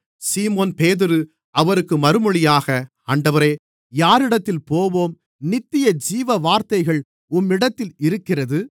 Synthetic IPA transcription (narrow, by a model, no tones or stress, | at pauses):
siːmoːnpeːðɪɾɯ | ɐʋɐɾɯkːɯmɐɾɯmɯɭɪjaːɣɐ | aːɳɖɐʋɐɾeː | jaːɾɪɽɐt̪ːɪlpoːʋoːm | nɪt̪ːɪjɐd͡ʒiːʋɐʋaːɾt̪ɐɪɣɐɭ | ʊmːɪɽɐt̪ːɪlɪɾɯkːɪrɐðɯ